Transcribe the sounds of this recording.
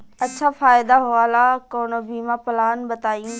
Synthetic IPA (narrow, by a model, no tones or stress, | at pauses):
ɐt͡ɕʰafaːɪd̪aɦʊaːlakoːnobiːmapɪlaːnbɐt̪aːĩ